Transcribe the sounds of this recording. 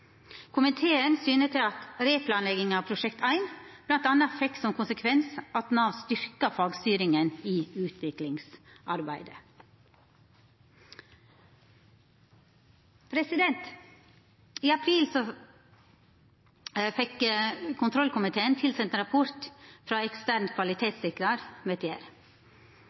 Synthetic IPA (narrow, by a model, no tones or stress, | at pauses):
kʰʊmɪt̪ʰeːənsyːnət̪ʰɪlɑt̪ɾeːpʰlɑːnlɛɡɪŋɑːʋpʰɾʊʃɛkt̪ʰæɪnb̥lɑnt̪ɑnɑfɛkːsɔmkʰʊnsəkʰʋɛnsɑt̪nɑːʋst̪ʏɾkɑfɑːɡst̪yːɾɪŋəniːʉːt̪ʰʋɪklɪŋsʔɑɾbæɪd̪ə | pʰɾɛsɪd̪ɛnt̪ | iːɑpʰɾiːlsɔ | fɛkkʰʊnt̪ʰɾɔlkʰʊmɪt̪ʰeːənt̪ʰɪlsɛnt̪əɾɑpʰɔɾt̪fɾɑːɛkst̪æɾnkʰʋɑlɪt̪ʰeːt̪sɪkɾɑɾmeːt̪ʰjæːɾ